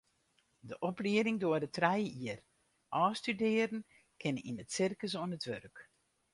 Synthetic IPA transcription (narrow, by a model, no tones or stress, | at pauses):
dəʔɔpliəɾɪŋdʊərdətrɛjəiər | ʔɔːstydɪəɾən | kʰɪnəḭnətsɪrkəs̬oənətʋørk